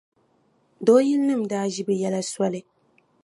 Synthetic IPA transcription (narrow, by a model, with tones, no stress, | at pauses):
doː˨˦ji˦lnɨ˦˨m̩˨daː˦ʒi˦bɨ˨jɛ˦la˦swa˦lɨ˦